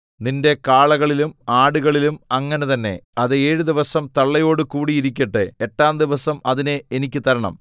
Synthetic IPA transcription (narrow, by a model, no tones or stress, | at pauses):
ninde̞kaːɭɐɣɐɭilumaːɽuɣɐɭilumɐŋːɐnet̪ɐnːe̞̰ɐðɨeːɻud̪iʋɐsɐmt̪ɐɭːɐjo̞ːɽɨkuːɽiiɾik̬ʲːɐʈːɨeʈːaːmd̪iʋɐsɐmɐðineenikʲːɨt̪ɐɾɐɳɐ̰m